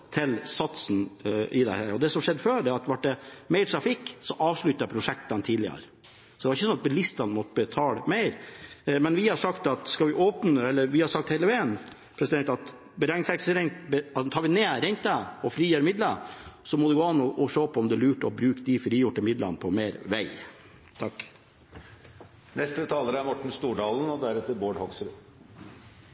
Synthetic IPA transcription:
t̪ʰɪlsɑt̪sn̩ɪd̪ɛ̰hæ̰ːɾɔd̪ɛsɔmʂɛd̪ːəføːɖɛɾɑt̪ʋɑʈ̚ɖɛmeɪɾt̪ʰɾɑfɪkːsɔʔɑːʋʂɭʉt̪ːɑjpʰɾʊʂɛkt̪ɑnt̪ʰiːd̪lɪə̰ɾ | sɔd̪ɛʋɑɾɪçːəsɔnɑt̪̚bəlɪst̪ɑnmɔt̪ːəbət̪ʰɑːləmeɪɾmɛnʋɪhɑʂɑkt̪ɑt̪skɑʋɪʔoːpnəɛlːəɾʋɪhɑɾʂɑk̚t̪hɛɪləʋeən | pʰɾɛsɪd̪ɛnt̪ɑt̪ | bəɾɛŋɪŋsɛksəɾɛŋt̪bəɑt̪ʰɑːɾʋɪneːɾɛɲt̪əɔfɾiːjøːɾmɪd̪ləsɔmɔd̪ɛɡoːɑnːɔʔɔʂoːpʰɔɔmd̪ɛlʉːʈɔbɾʉːkd̪ɪfɾiːjʊʈːəɪmɪd̪lɑ̰npʰɔmeːɾʋæɪ | t̪ʰɑkː | nɛst̪ət̪ʰɑːləɾəæɾmɔʈːɳ̩st̪uːɖɑːlən̩ɔd̪æɾɛt̪əɾboːɖhɔksɾʉ

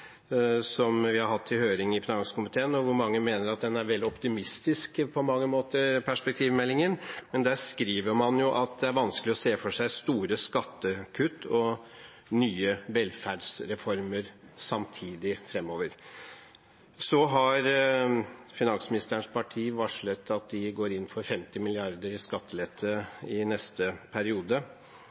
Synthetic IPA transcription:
sɔmʋɪhɑɾɦɑt̪ʰːɪlhøːɾɪŋɪfɪnɑŋskʊmɪt̪ʰeːənɔʋʊɾmɑŋːəmeːnəɾɑt̪̚d̪ɛnæɾʋɛld̪ɪɔpt̪ɪmɪst̪ɪskpʰɔmɑŋːəmoːt̪əɾpʰæʂpɛk̚t̪ʰiːʋmɛlːɪŋənmɛnd̪æskɾiːʋəɾmɑnjʊʔɑt̪̚d̪ɛæɾʋɑnskəlɪɔseːfɔʂæɪst̪uːɾəskɑt̪ːəkʰʉt̪ːɔ | nyːəʋɛlfæːɖsɾɛfɔɾməɾsɑmt̪ʰiːd̪ɪfɾɛmːoːʋəɾ | sɔɦɑɾ | fɪnɑnsmɪnɪst̪əɾəɳʂpʰɑʈʰiːʋɑʂɭət̪ʰːɑt̪̚d̪ɪɡoːɾɪn̩ːfɔɾfɛmt̪ɪmɪlɪɑɾd̪əɾɪskɑt̪ʰːəlɛt̪ʰːəɪnɛst̪əpʰæɾɪuːd̪ə

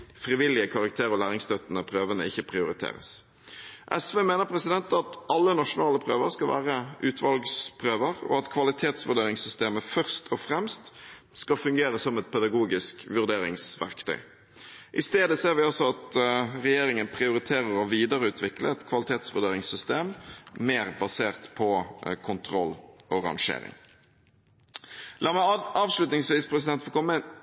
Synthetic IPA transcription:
fɾɪʋɪlːɪəkʰɑʁɑk̚t̪ʰeːʁɔlæːʁɪŋst̪œt̪ːənəpʰɾøːʋənə̰ɪçːəpʰʁɪʊɾɪt̪ʰḛːʁə̰s | ʔɛsʋeːmeːnəʁpʰɾɛsɪd̪ɛnt̪ɑt̪ɑlːənɑʂʊnɑːləpʰɾøːʋəɾskɑlʋæ̰ːʁəʔʉːt̪ʰʋɑlɡspʰʁøːʋəɾɔ̰ɑt̪kʰʋɑlɪt̪ʰeːt̪sʋʉʁd̪eːɾɪŋsʏst̪eːməfœʁst̪ʰɔfʁɛmst̪ | skɑfʉŋɡeːɾəsɔmɛt̪pʰɛd̪ɑɡuːɡɪskʋʉʁd̪eːɾɪ̰ŋsʋæ̰ʁkt̪ʰœ̰ʏ | ʔɪst̪eːd̪əseːʁʋɪɔsɔɑt̪ʁɛjeːɾɪŋənpʰɾɪʊɾɪt̪ʰeːɾəɾɔʋiːd̪əɾəʉːt̪ʰʋɪkləɛt̪kʰʋɑlɪt̪ʰeːt̪sʋʉ̰ʁd̪eːɾɪŋsʏst̪eːmmeːʁbɑseːʁt̪pʰɔkʰʊnt̪ʰʁɔlːʔɔʁɑ̰ŋʂḛːɾɪ̰ŋ | lɑːmæɑːʋslʉt̪nɪŋsʋiːspʰɾɛs̬ɪd̪ɛnt̪fɔlkʰɔmːən

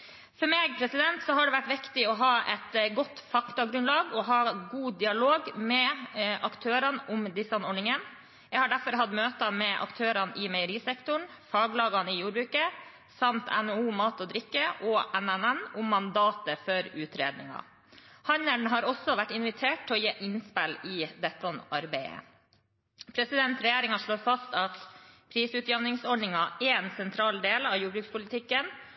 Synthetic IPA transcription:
fɔɾmeːɡpʰɾɛsɪd̪ɛnt̪sɔɦɑɖɛʋæʈːʋɪkt̪ɪɔɦɑːʔɛt̪ɡɔt̪ːfɑkt̪ɑɡɾʉnlɑːɡɔɦɑːɡuːd̪ɪɑloːɡmɛʔɑkt̪ʰøːɾɑnʔʊmd̪ɪsɑnɔɖɳɪŋən | jɛɡhɑɖæɾfɔɾɦɑd̪møːt̪əmɛʔɑ̰kt̪ʰøːɾɑnʔɪmɛɪəɾiːsɛkt̪ʊɳfɑːɡlɑːɡɑnɪjuːɾbɾʉːkə | sɑmt̪ʰɛ̰nouːmɑːt̪ɔːd̪ɾɪkːəʔɔːʔɛnænɛnʊmːɑnd̪ɑːt̪əfɔɾʉːt̪ɾeːd̪nɪŋɑ̰ | hɑnəɳɦɑːɾɔsːɔʋæʈːɪnʋɪt̪ʰeːʈ̚t̪ːʰɪlɔːjeːʔɪnspɛlɪd̪ɛt̪ːɔnɑɾbɛɪə̰ | pʰɾɛsɪd̪ɛnt̪ɾɛjeːɾɪŋɑʂɭoːfɑst̪ɑt̪pʰɾiːsʉt̪jɛʋnɪŋsɔɖɳɪŋɑʔɛɛnsɛnt̪ʰɾɑːld̪eːlɑʋjuːbɾʉːkspʰʊlɪt̪ʰɪkːən

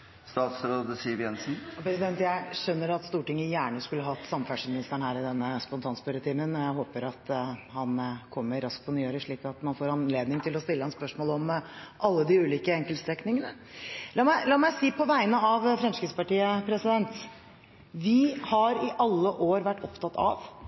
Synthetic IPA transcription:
st̪ɑːt̪sɾoːd̪əsiːʋjɛnsn̩pɾɛsɪd̪ɛnt̪jæɪɕœnːəɾɑt̪st̪uːʈɪŋːəjæːɳəskʉlːəɦɑt̪ːsɑmfæʂmɪnɪst̪əɳhæːɾɪd̪ɛnːəspɔnt̪ʰɑːnspʉɾət̪ʰiːmənɔjæɪɦoːpəɾɑt̪hɑnkʰɔmːəɾːɑsk̚pʰɔnyːøːɾəʂɭiːkɑt̪mɑnfoːɾɑnleːd̪nɪŋt̪ʰɪlɔst̪ɪlːəhɑnspœʂmoːlɔmʔɑlːəd̪ɪʉːliːkəɛŋkəlst̪ɾɛknɪŋənə | lɑːmæɪlɑːmæɪsiːpʰɔʋæɪnəɑʋfɾɛmskɾid̪spɑʈiːəpʰɾɛsɪd̪ɛnt̪ | ʋɪhɑɾɪʔɑlːəʔoːɾʋæʈːɔpt̪ʰɑt̪ːɑ̰ʋ

